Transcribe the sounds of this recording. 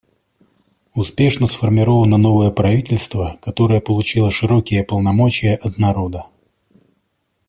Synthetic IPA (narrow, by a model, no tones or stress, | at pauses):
ʊspʲe̞ʂnəsfərmʲɪɾo̞vənəno̞vəjəpɾɐvʲitʲɪlʲst̪vəkɐt̪o̞ɾəjəpəlˠʊt͡ɕilˠəʂɨɾokʲɪjəpəlˠnɐmo̞t͡ɕɪjəʔɐt̪nɐɾo̞d̪ə